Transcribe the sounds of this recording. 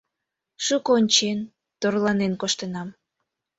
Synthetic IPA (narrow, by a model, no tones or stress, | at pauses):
ʃukoonʲt͡ɕen | t̪orlɑnenkoʃt̪ənɑm